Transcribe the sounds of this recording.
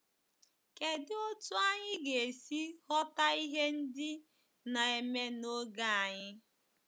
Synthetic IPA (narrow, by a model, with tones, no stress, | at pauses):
ke˨dɪ˦o˦tu˦a˦ɲɪ˦ɡe˨e˨si˦hɔ˦ta˦i˦ɦe˦n̩˦dɪ˦ | na˨e˨me˦no˦ɡa˦a˨ɲɪ˦